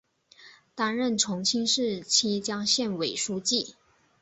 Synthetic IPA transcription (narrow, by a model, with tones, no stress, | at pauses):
t̪a˥nɻə˥˨nʈ͡ʂʰʊ˧˥ŋt͡ɕʰi˥ŋʂɻ̩˥˩t͡ɕʰi˥t͡ɕjɑ˥ŋɕjɛ˥˩nwe˨˩ɪʂu˥t͡ɕi˥˩